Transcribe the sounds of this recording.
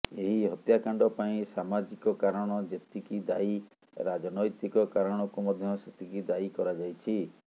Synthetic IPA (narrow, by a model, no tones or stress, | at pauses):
eɦiɦɔt̪jakaɳɖɔpaĩsamad͡ʒikɔkaɾɔɽ̃ɔd͡ʒet̪ikid̪ai | ɾad͡ʒɔnɔjt̪ikɔkaɾɔɽ̃ɔkumɔd̪ʱjɔset̪ʰikid̪aikɔɾad͡ʒajt͡ʃʰi